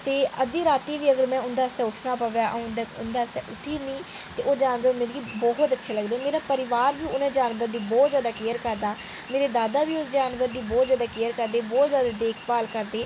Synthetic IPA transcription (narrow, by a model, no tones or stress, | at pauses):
t̪eːəd̪iːɾaːt̪iːʋiːəɡəɾmɛ̃ːʊnd̪aːəst̪ɛ̃ːʊʈʰnaːpəʋjaːʔənd̪ʊnd̪aːst̪ɛːʔʊʈʰiːnĩː | t̪eːʔoːd͡ʒaːnʋəɾmeːɾiːbɔːɦt̪ətːʃʰeːləɡd̪eːmeːɾaːpəɾɪʋaːɾʋiːʊnɛ̃ːd͡ʒaːnʋəɾd̪iːbɔːt̪zjaːd̪aːkejəɾkəɾd̪aː | meːɾeːd̪aːd̪aːʋiːʊsd͡ʒaːnʋəɾd̪iːbɔːt̪zjaːd̪aːkejəɾkəɾd̪eːbɔːt̪zjaːd̪aːd̪eːkʰpaːlkəɾd̪eː